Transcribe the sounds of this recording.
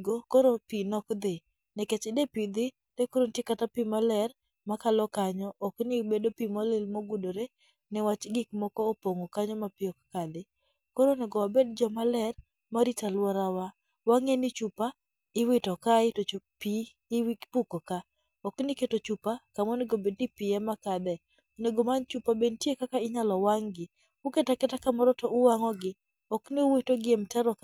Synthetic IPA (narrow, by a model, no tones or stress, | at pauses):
ɡokoɾopinɔkd̪ɪ | nɛket͡ʃɪdepid̪ɪ | tɛkoɾontjekatapimalɛr | makalɔkaɲɔʔɔknɪbedopimɔlɪlmoɡudoɾe | nɛwat͡ʃɡɪkmɔkɔːpoŋokaɲɔmapɪɔkkadɪ | koɾonɛɡɔwabedd͡ʒɔmalɛr | maɾitalwɔɾawa | waŋenɪt͡ʃupa | ɪwɪtɔkaɪtot͡ʃopi | wpukoka | ɔknɪketot͡ʃupakamoneɡobed̚nɪpɪɛmakad̪ɛ | oneɡomant͡ʃupabentjekakaɪɲalɔwaŋɡɪ | ʊketakɛtakamɔɾɔtɔʊwaŋɔɡɪ | ɔknɪʊwitoɡɪemtɛɾɔk